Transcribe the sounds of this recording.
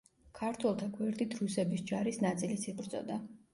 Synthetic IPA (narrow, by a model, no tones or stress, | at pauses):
kʰaɾt̪ʰwɛlˠt̪ʰaɡwɛɾd̪ʼit̪ʰɾusɛbisd͡ʒaɾisnat̪sʼilisibɾd̪zʼɔ̰d̪a